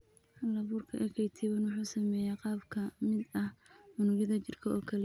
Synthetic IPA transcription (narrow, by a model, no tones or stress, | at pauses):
hɐlɐβuːrkʰɐʔɛkʰɛjt̪ʰɪβɐnwʊħuːsɐmɛːjɛːqɑːbkʰɐmɪd̪ɐhmʊnʊɣɪðɐt͡ʃɪrkʰɐɔːkʰɐlɛ